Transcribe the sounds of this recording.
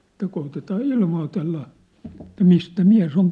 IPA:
ĕtˑæ koːtetɑː ilmoːtelːɑ etːæ mistæ miæ̝s oŋ

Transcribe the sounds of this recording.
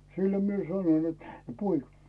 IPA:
silːo mie sɑnon net poik̆ɑ̥̆

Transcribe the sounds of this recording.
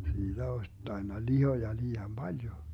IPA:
siːd̥æ osʲ tɑinːɑ lihojɑ liːɑm b̥ɑljo

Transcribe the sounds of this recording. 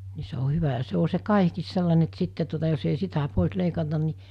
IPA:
ni se o hyʋæ jɑ se o se kɑihkiːs selːɑne etːæ sitːe tuotɑ jos ei sitæ poˑes leikɑtɑn ni

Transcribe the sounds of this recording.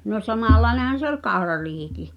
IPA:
no sɑmɑlːɑi̞nehɑn̞ se olʲ kɑu̞rɑriːhiki

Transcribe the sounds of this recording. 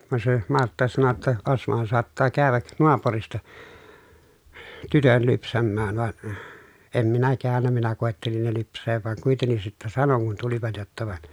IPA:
ʋɑn se mɑrtːɑ sɑno tːɑ osmohɑn soɑtːɑː kæːʋæk noɑpuristɑ tytøn lypsæmːæːn ʋɑn em minæ kæːnːæ minæ koˑetːelin ne lypsˑeːʋ ʋɑŋ kuitenːis sitːæ sɑnoŋ kun tuliʋɑt jotːɑ ʋɑn

